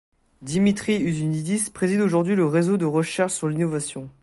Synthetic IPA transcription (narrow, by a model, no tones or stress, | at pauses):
d̪imit̪χiyzynid̪ispχezid̪oʒuʁd̪ɥiləʁezod̪əʁəʃɛʁʃsyʁlinovasjɔ̃